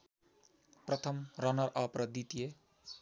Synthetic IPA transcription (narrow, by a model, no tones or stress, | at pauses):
prʌt̪ʰʌmɾʌnʌɾʔʌpɾʌd̪it̪ije